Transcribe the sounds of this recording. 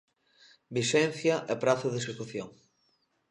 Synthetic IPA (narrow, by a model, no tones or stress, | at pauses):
bisɛn̟θjɐʔɛpɾaθʊðesekuθjoŋ